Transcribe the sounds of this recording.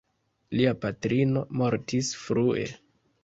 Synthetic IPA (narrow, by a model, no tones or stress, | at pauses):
liapatɾino̞mo̞ɾtisfɾue̞̰